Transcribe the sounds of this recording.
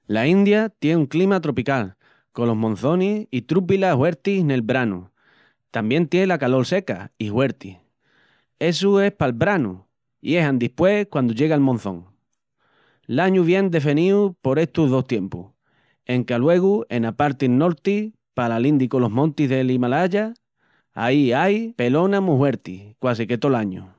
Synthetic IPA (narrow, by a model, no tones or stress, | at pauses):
laĩnd̪jat̪je̞nuŋklimat̪ɾo̞pikal | ko̞lo̞ɦmõ̞n̟θo̞nisit̪ɾup̬ilahwe̞ɾt̪ihne̞lbɾanṵ | t̪ambje̞nt̪jenlakalo̞lse̞ka̰ihwe̞ɾt̪ih | e̞sue̞hpalbɾanṵ | ie̞ɦand̪ihpwe̞kwand̪uʝe̞ɣalmõ̞n̟θõ̞ŋ | laɲuβ̞je̞nd̪e̞feniupo̞ɾe̞ht̪uɦðo̞st̪je̞mpuh | e̞ŋkalwe̞ɣue̞napaɾt̪ilno̞ɾt̪i | palalind̪ikolo̞ɦmõnt̪iɦðe̞limalaʝa | a̰iajpe̞lo̞nãmuhwe̞ɾt̪ihkwas̬ike̞t̪o̞laɲu